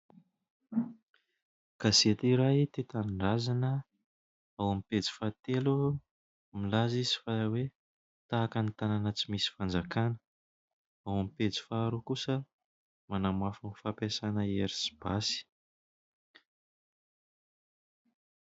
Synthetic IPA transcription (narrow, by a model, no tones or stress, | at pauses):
kazet̪iɾajt̪et̪anɳɖ͡ʐazanə | awamipet͡si̥fat̪elu | milazizi̥fawe | t̪aːkənit̪ananət͡simisi̥fand͡zakanə̥ | awamipet͡si̥faːɾukusə | manamafunifapesanəeɾisi̥b̥asi̥